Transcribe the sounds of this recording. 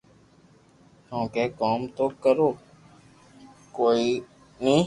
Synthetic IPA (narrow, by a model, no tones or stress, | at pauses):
hõːkeːkoːmt̪oːkəɾoː | koːiː | nĩː